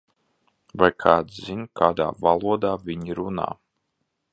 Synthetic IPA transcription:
vajkʰaːd̪zinkʰaːd̪a̰ːvalˠuɔd̪aːvʲiɲiɾuna̰ː

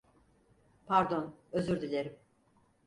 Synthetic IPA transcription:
pʰaɾd̪o̞nøzyɾd̪ilʲeɾim

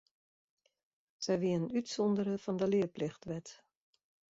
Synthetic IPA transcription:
sɛjʋiəənytsɔndəɾəfɔndəlɪəplɪxtʋɛt

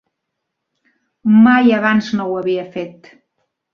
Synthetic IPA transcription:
majəβanznowəβiəfet̪

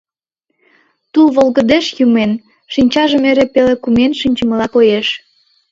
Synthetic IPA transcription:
t̪ulβolˠɣəd̪eʃjumen | ʃinʲt͡ɕɑʒəmeɾepelekumenʃinʲt͡ɕəməlɑkojeʃ

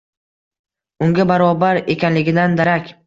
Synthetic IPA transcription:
ʊŋɡʲabaɾɒbaɾe̞kʲanlɪɡʲɪd̪and̪aɾakʲ

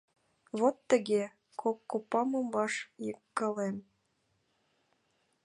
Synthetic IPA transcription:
βot̪ːə̆ɣe | kokːopːɑmɤmbɑʃjəkːɤlem

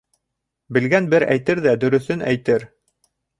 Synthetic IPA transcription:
bɘ̆lɡænbɘɾæ̰jt̪ɘɾðæd̪ɵ̆ɾɵ̆θɘnæ̰jt̪ɘɾ

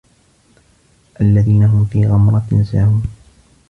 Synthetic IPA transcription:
ʔalːaðiːnaɦʊmfiːɣamɾˤɑɪnsaːhuːn

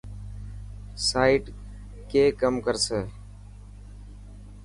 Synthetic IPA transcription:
saːiʈ | keːkəmkəɾseː

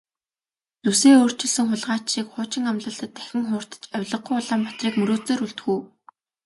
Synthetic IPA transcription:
t͡s̪useːoːr̥t͡ɕɪ̆ɮsɘ̆ŋχʊɮʁaːt͡ɕʃiːkχʊːt͡ɕɪ̆ŋamɮə̆ɬt̪ə̆t̪ːæxʲɪ̆ŋχʊːr̥t̪ə̥̆t͡ɕœwʲɮə̆qːujʊɮaːmpat̪riːkmɵɾoːt͡seːɾuɮt̪ɡuː

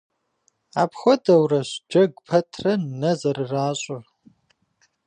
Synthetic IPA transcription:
aːpxʷɔdɐwrɐɕd͡ʒɐɡʷpʰɐtʰrɐnɐzɐrɨraːɕʼɐ

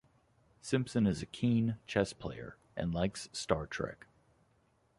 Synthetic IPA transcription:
sɪ̃mpsɨ̃nɨzɨkʰĩnt͡ʃʰɛspʰl̥eɪə̰˞ | ʔɨ̰̃nlaɪkstɑɹtʰɹ̥ɛ̰k

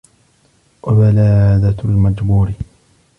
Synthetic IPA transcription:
wabalaːd̪almad͡ʒbuːɾɪ

